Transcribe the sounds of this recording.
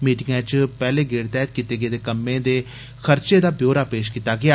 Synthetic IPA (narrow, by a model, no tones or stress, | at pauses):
miːʈɪŋɡãːt͡ʃpɛːleːɡeːɽt̪ɛːt̪kit̪eːɡəeːd̪eːkəmːẽːd̪eː | xʰəɾt͡ʃeːd̪aːbjoːɾaːpeːʃkit̪ːaːɡɪaː